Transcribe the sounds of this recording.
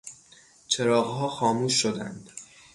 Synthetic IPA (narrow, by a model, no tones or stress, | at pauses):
t͡ʃʰe̞ɾɒːɣɦɒːxɒːmuːʃːod̪ænd̪̥